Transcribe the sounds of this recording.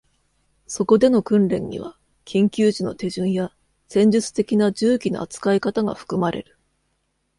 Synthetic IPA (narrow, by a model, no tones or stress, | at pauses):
so̞ko̞d̪e̞no̞kɯ̟̃nɾẽ̞̰ɲ̟ːḭβ̞a̰ | kʲʰĩŋkʲɨːʑino̞̰t̪e̞ʑɯ̃ɰ̃ja | sẽ̞ɲ̟d͡ʑɨt͡sɨ̥t̪e̞kʲinad͡ʑɨːkʲino̞̰ʔa̰t͡sɨ̥kaikat̪aɡa̰ɸɯ̟̥kɯ̟maɾe̞̰ɾɯ̟̥